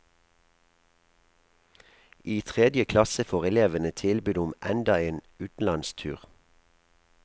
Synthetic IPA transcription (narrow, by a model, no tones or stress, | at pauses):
ʔiːt̪ʰʁɛd̪jəkʰlɑsəfoːʁɛleːʋənət̪ʰɪlbʉːd̪ʊmʔɛnd̪ɑeːn | ʉːt̪n̩lɑnst̪ʰʉ̰ːʁ